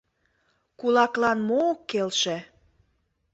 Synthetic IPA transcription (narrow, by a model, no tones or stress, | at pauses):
kulɑklɑnmoːkːelʃĕ